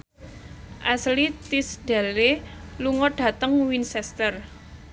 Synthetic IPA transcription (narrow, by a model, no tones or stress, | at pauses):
ʔaslit̪isd̥a̤leluŋɔɖ̥a̤t̪əŋwinsɛst̪ər